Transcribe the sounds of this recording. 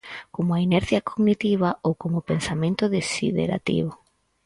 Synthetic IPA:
komʊainɛɾθjɐkoɡnit̪iβ̞ɐowkomopensamẽnt̪ʊðesḭðḛɾa̰t̪ḭβo

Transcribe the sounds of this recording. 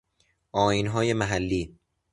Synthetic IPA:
ʔɒːjinɦɒːje̞mæɦælːiː

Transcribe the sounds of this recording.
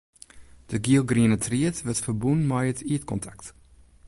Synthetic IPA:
d̥əɡiəlˠɡriənətʰriətʋətfərbunmajətiətkɔntʰakt

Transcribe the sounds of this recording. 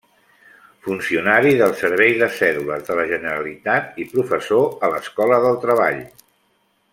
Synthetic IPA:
funsiunaɾiðəlˠsəɾβ̞ɛjðəsɛluləzðələʒənəɾəlit̪at̪̚ipɾufəsoələskɔləðəlˠt̪ɾəβ̞a̰ʎ

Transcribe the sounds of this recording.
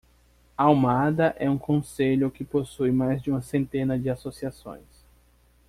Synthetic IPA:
awmad̪ɐʔɛũkõseʎʊkɪposujmajzd͡ʒɪũmɐsẽnt̪ẽnɐd͡ʒɪasosiasõ̰j̃s

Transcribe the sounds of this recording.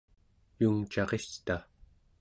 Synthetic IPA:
juŋt͡ʃɑʁest̪a

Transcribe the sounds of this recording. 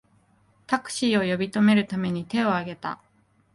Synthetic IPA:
t̪akɯ̟̥ɕiːo̞jo̞bʲit̪o̞me̞ɾɯ̟t̪ame̞ɲ̟it̪e̞o̞aɡe̞t̪a̰

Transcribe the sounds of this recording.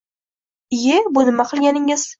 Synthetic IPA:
jebʊnɪmaqʰɨlˠɡʲanɪŋɪz̥

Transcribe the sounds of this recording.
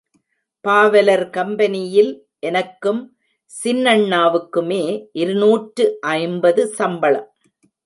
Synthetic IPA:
paːʋɐlɐɾkɐmbɐnɪjɪl | ʔɛnɐkːɯm | sɪnːɐɳːaːʋɯkːɯmeːʔɪɾɯnuːʈɾɯʔɐɪmbɐðɯsɐmbɐɭɐ̰m

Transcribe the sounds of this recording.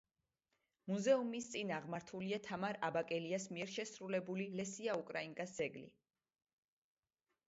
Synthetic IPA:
muzɛumist̪sʼinaʁmaɾt̪ʰuliat̪ʰamaɾabakʼɛliasmiɛɾʃɛsɾulɛbulilɛsiaukʼɾaiŋkʼasd̪z̥ɛɡlḭ

